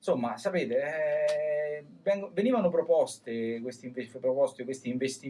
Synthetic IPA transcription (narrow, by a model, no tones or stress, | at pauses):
somːasapeːt̪eɛ | vɛŋɡveniːvanopɾopɔst̪ekwest̪iɱvepɾopɔst̪ekwest̪iːɱvest̪i